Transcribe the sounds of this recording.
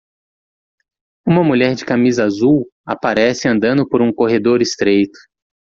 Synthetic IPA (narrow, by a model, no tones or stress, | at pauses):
ũmɐmuʎɛɾd͡ʒɪkamizɐaazuwa̰paɾɛsɪɐ̃nd̪ɐ̃nd̪ʊpoɾũkoɦed̪oɾɪst̪ɾejt̪ʊ̥